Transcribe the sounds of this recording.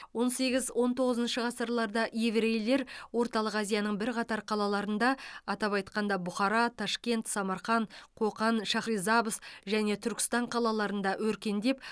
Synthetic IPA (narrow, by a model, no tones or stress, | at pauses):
wo̞nse̞ɡʲɪzwʔo̞nt̪ʰo̞ʁəzənʃəʁɑsəɾlˠɑɾd̪ɑʔivɾe̞jle̞ɾwo̞ɾt̪ɑlˠəqæzijɑnəɴbɪɾqʰɑt̪ɑɾqʰɑlˠɑlˠɑɾənd̪ɑɑt̪ɑpɑjt̪̚qɑnd̪ɑbʊχɑɾɑt̪ʰɑʃkʲe̞nt̪sɑmɑɾχɑɴqʰoqɑnʃɑχɾijzɑbəsʒæne̞t̪ʰʏɾkʲɪ̥st̪ɑɴqʰɑlˠɑlˠɑɾənd̪ɑwɵɾkʲe̞nd̪e̞p